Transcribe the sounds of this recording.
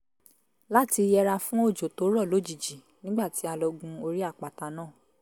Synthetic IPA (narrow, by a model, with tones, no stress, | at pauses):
la˦ti˧jɛ˧ɾa˧fũ˦o˦˨d͡ʒo˨to˨˦ɾɔ˦˨lo˨˦˨d͡ʒi˨d͡ʒi˨ | nĩ˦ɡ͡ba˦˨ti˨˦a˧lɔ˧ɡũ˧o˧ɾi˦a˦˨k͡pa˨ta˧nãː˦˨